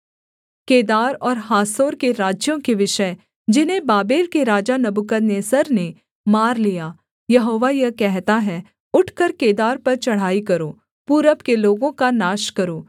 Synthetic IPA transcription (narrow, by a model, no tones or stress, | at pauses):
keːd̪aːɾɔːɾɦaːsoːɾkeɾaːd͡ʒjõkeʋɪʃə | d͡ʒɪnɦẽbaːbeːlkeɾaːd͡ʒanɐbʊkəneːsɐɾne | maːɾlijaː | jɐɦoːʋajɐkɛɦt̪aɦɛ | ʊʈʰkəɾkeːd̪aːɾpɐɾt͡ʃɐɽ̤aːikɐɾoː | puːɾəpkeloːɡõkanaːʃkɐɾoː